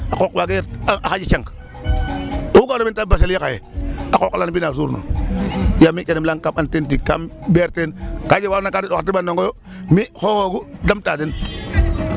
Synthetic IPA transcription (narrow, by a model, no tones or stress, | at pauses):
akokwaɡeɾaxad͡ʒiʃaŋk | oukaɾomitabaseljaka̰jḛakoklanbinas̬uɾno̰ | jamit͡ʃenimlaŋkamantent̬ikkambeɾtenkad͡ʒewanakadidokatibandoŋɡojo | mihohoɡudamtadin